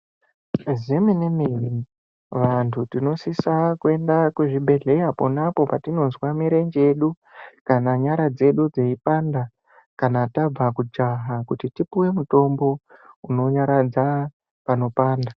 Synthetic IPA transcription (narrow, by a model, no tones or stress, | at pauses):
ziminemiʋi | ʋantʰutino̞sisakue̞ndakuʐiɓʱe̞ɮe̞japo̞napo̞patino̞nzwamiɾe̞ɲd͡ʒee̞ɗu | kanaɲaɾad͡ze̞ɗud͡zeipanda | kanatab͡vakud͡ʒaɦakutitipuwe̞muto̞mbo̞uno̞ɲaɾad͡za | pano̞paːnda